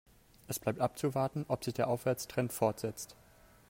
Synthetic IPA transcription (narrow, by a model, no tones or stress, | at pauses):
ʔɛsb̥laɪp̚tʔap̚t͡suvaɐtn̩ʔɔpz̥ɪçd̥eːɐʔaʊfv̥ɛɐt͡stʁ̥ɛntfɔɐtz̥ɛt͡st